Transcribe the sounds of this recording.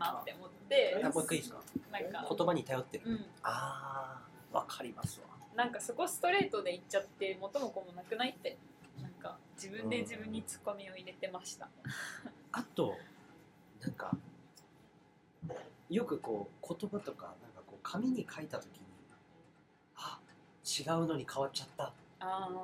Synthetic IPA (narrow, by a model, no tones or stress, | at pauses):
natːeomo̞t̪ːe̞aakːaiska̰nãŋkako̞t̪o̞baɲ̟it̪ajo̞t̪ːeɾɯ̟ɯ̟̃ɴ | aː | βa̰kʰaɾʲimasɨβa̰nãŋkaso̞ko̞sɨ̥t̪o̞ɾe̞ːt̪o̞d̪e̞it͡ɕːat̪ːe̞mo̞t̪o̞mo̞ko̞monakɯ̟nait̪ːe̞ | nãŋka̰ | d͡ʑibɯ̟̃nd̪e̞d͡ʑibɯ̟̃ɲ̟ːit͡sɨ̥ko̞mʲio̞iɾe̞t̪e̞maɕi̥t̪a̰ | at̪o̞ | nãŋka̰ | jo̞kɯ̟ko̞ːkʰo̞t̪o̞bat̪o̞ka̰nãŋkako̞ːkʰamʲiɲ̟ikʰait̪at̪o̞kʲiɲ̟i | a | t͡ɕiɡaɯ̟no̞ɲ̟ikʰaβatt͡ɕːat̪ːaaː